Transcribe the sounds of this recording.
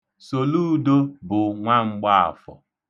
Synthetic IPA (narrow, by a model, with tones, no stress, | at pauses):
so˨lu˦do˦bʊ˨ŋʷa˦ŋ͡m̩˦ɡ͡ba˦a̰˨fɔ̰˨